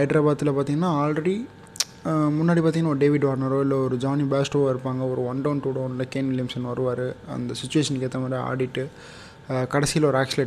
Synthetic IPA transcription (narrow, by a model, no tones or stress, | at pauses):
ɐɪɖɾɐbaːt̪ːɪlɐpaːɾt̪iŋɡɐnːaːaːlɐɽi | mʊnːaːɽipaːt̪iŋɐnːaːɔɾɯɖeːʋɪɖʋaːɾnɐɾoɪlːɐɔɾɯd͡ʒaːnibaːsʈoɪɾɯpːaːŋɡɐɔɾɯʋɐɳɖɐʊnʈuːɽɐːnɪlɐkenʋɪljɪmsɐnʋɐɾɯʋaːɾɯɐ̰nd̪ɐsɪt͡ʃːʊʋeːʂɐnɪkːeːt̪ːɐmaːd̪ɾia̰ːɽɪʈːɯ | kɐɽɐsɪjɐlɐɔɾɯaːk̚sɪle